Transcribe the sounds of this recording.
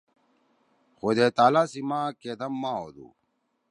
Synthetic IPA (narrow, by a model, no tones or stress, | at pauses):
xod̪eːt̪aːlaːsimãːked̪ɐmːãːoːd̪ṵ